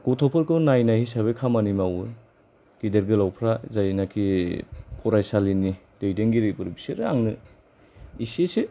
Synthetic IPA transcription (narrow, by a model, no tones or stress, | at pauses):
ɡ̥utʰɔpʰɯɾkɯnajnahisaβejkʰamanimawɯ | ɡ̥ideɾɡɯlawpʰɾazajnakʰi | pʰɔɾajsalinid̥ejdeŋɡiɾibɯɾbiseɾa̰ŋnɯ | isesi